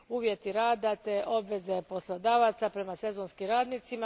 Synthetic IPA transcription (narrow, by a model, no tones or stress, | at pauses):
uːʋje̞t̪iɾaːd̪at̪e̞ʔo̞bʋe̞ze̞po̞slˠod̪aːʋat̪sapɾe̞mase̞zonskimɾaːd̪nit̪sima